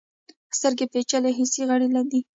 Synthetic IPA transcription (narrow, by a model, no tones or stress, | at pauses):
st̪əɾɡepet͡ʃaleɦisiɣaɽilad̪i